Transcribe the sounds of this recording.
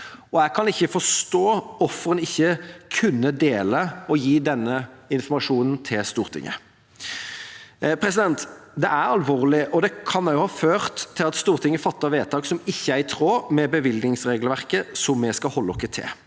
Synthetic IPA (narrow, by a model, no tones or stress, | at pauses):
ɔæɡkʰɑnɪçːəfɔʂt̪oːɔfəɾənɪçːəkʰʉnːəd̪eːləɔjiːd̪ɛnːəɪnfɔmɑʂuːnən̩t̪ʰɪlst̪uːʁt̪ʰɪ̰ŋːə̰ | pʰɾɛsɪd̪ɛnt̪d̪ɛʔæɾɑlʋoːʁlɪʔɔd̪ɛkʰɑnːæjʊhɑːføːʁt̪ʰːɪlɑt̪st̪uːʁt̪ʰɪŋːəfɑt̪ːɑʋeːt̪ʰɑːksɔmɪçːəæɪt̪ʰɾoːmɛbəʋɪld̪nɪŋsʁeːɡlʋæʁkəsɔmːɛskɑhɔlːɔkːət̪ʰɪ̰